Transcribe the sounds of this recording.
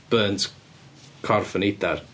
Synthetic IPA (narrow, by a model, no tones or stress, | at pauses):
b̥əːntʰ | kʰɔrfənejdar